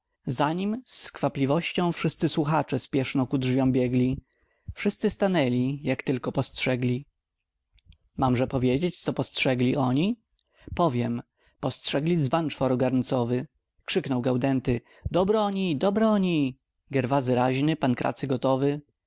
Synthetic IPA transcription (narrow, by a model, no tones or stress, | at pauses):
zaɲimskfaplʲivɔɕt͡ɕɔ̃w̃fʂɘst̪sɘswuxat͡ʂɛspʲjɛʂnɔkudʐvʲjɔ̃w̃bʲjɛɡlʲi | fʂɘst̪sɘst̪anɛlʲijakt̪ɘlkɔpɔstʂɛɡlʲi | mamʐɛpɔvʲjed͡ʑet͡ɕt̪sɔpɔstʂɛɡlʲiʔɔɲi | pɔvʲjɛm | pɔstʂɛɡlʲizbant͡ʂfɔɾɔɡaɾnt̪sɔvɘ | kʂɘknɔwɡawd̪ɛnt̪ɘ | d̪̥ɔbɾɔɲid̪ɔbɾɔɲi | ɡɛɾvazɘɾaʑnɘpankɾʔa̰t̪sɘɡɔt̪ɔvɘ